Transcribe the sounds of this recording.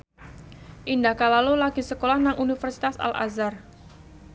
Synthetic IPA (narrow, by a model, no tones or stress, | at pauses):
ʔindahkalalulaɡisəkolahnaŋʔunifərsi̥t̪asa̰lʔa̰zar